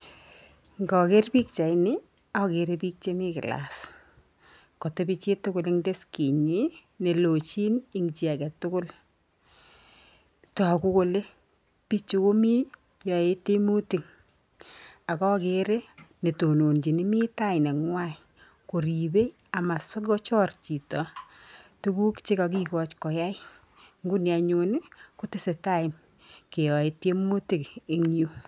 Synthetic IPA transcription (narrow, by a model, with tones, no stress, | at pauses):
ŋɡɔ˨ke˦rpi˦k̚t͡ʃa˨jnɪ˦ | ɔ˦ke˨ɾe˦pi˦k̚t͡ʃe˦mɪ˦kɪ̰˨la̰˨s | ko˨te˦pi˦t͡ʃe˦tʊ˦kʊ˨lɪ˦ŋde˦ski˨ɲi˦ | ne˨lo˨t͡ʃi˦nɪ˦ŋt͡ʃi˨a˨kɛ˨tʊ˦kʊ˦l | ta˨kʊ˦ko˦le˦ | pi˦t͡ʃu˨ko˦mi˦ | jɔ˨e˦te˦mu˦ti˨ŋ | a˨kɔ˦ke˦ɾe˦ne˨to˨no˨nd͡ʒi˨ni˦mi˦ta˦ɪ˨na˨ŋwa˦ | ko˨ɾi˨be˦ | a˨ma˨so˦kɔ˦t͡ʃɔ˦rt͡ʃi˨tɔ˨ | tu˦ku˦kt͡ʃe˦ka˨k̬i˦kɔ˨t͡ʃkɔ˨ja˦j | ŋɡu˦nja˨ɲo˨n˦ko˦tɪ˦se˨ta˦ɪ˨n | ke˨jɔ˨e˦te˦mo˦ti˨ke˨ŋ˦u˦